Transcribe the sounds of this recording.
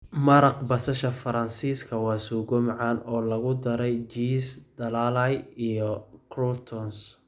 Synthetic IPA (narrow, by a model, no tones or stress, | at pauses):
mɐɾɑqbɐsɐʃɐfɐɾɐnsiːskʰɐwɑːsɔɡɔmʕaːnɔːlɐɣʊd̪ɐɾɛjt͡ʃiːsd̪ɐlalɐjijɔkʰrɔt̪ʰɔns